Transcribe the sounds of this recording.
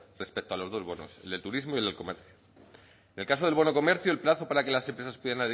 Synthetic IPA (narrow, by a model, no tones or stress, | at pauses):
re̞spe̞k̚t̪oalo̞zðo̞zβo̞no̞̰se̞ld̪e̞lt̪uɾizmojieleko̞me̞ɾθju | enelkaso̞ð̞elβo̞no̞ko̞me̞ɾθjuelplaθo̞paɾake̞lase̞mpɾesaspweðanaðe